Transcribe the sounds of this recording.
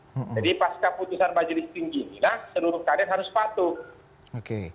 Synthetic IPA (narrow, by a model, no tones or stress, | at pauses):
m̩d͡ʒadipaskaput̪usanmad͡ʒilist̪iŋɡinilahsəluɾʊkadarɦaɾʊspat̪u | oke